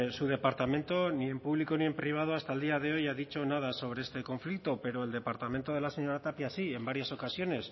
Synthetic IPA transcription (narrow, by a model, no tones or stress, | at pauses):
suð̞e̞paɾt̪amẽ̞nt̪o̞nie̞mpuβliko̞nie̞mpɾiβ̞að̞oast̪aeld̪iað̞e̞o̞jaðit͡ʃo̞nað̞aso̞β̞ɾe̞est̪e̞ko̞ɱflik̚t̪o̞pe̞ɾo̞eld̪e̞paɾt̪ament̪o̞ð̞e̞laseɲo̞ɾat̪apjasie̞mbaɾjaso̞kasjo̞ne̞s